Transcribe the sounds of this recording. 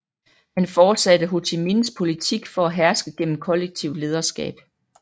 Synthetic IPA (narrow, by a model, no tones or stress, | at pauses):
hænfɒːd̥sæd̥əɦo̝t͡sʰeminspʰo̝lit͡sʰiɡ̥fɒ̽æɦæɐsɡ̥əɡ̥en̰m̩kʰɒ̽leɡ̥̚t͡sʰiʊ̰̥le̝ːð̞ˠɐsɡ̥ɛ̰ːb̥